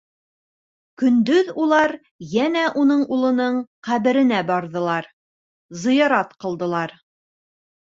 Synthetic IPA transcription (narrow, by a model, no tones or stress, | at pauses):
kɵ̆nd̪ɵðulˠɑɾ | jænæʔunɤɴulˠɤ̆nɤɴqæβɘ̆ɾɘ̆næbɑɾðɤ̆lˠɑɾ | zɤ̆jɑɾɑt̪qɤ̆lˠd̪ɤ̆lˠɑɾ